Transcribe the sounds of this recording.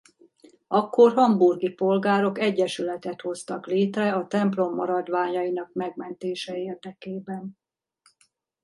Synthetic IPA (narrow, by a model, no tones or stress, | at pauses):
ɒkːo̞rɦɒmburɡipo̞lɡaːɾo̞kɛɟːɛʃylɛt̪ɛt̪ho̞st̪ɒkleːt̪rɛɒt̪ɛmplo̞mːɒ̰ɾɒd̪ʋaːɲɒjinɒkmɛɡmɛnt̪eːʃɛeːrd̪ɛkeːbɛn